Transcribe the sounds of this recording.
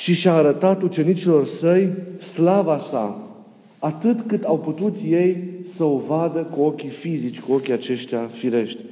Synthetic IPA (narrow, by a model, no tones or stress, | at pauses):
ʃiʃaːɾət̪at̪ut͡ʃe̞nit͡ʃilo̞rsəjslavasa̰ | at̪ɨt̪kɨt̪awput̪ut̪je̞jsəovad̪əkuo̞kʲifizit͡ʃʲkuo̞kʲiat͡ʃe̞ʃt̪eafiɾe̞ʃt̪ʲ